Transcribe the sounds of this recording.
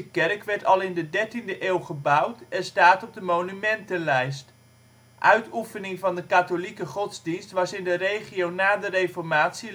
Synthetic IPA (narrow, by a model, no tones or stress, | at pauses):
əkɛrkʋɛɹtɑlˠɪndədɛɹtindəʔeːlˠχəbʌwtɛnstaːtɔb̚dəmownymɛntənlɛjst | ʔœɥtufənɪŋvɑndəkatolikəχɔtzdinstʋɑsɪndərejχiownaːdərejfɔɹmaːtsi